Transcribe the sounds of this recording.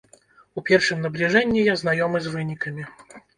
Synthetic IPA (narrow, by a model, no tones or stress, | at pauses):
upʲɛrʂɨmnɐblʲiʐɛnʲːijaznajɔmɨzvɨnʲikɐmʲi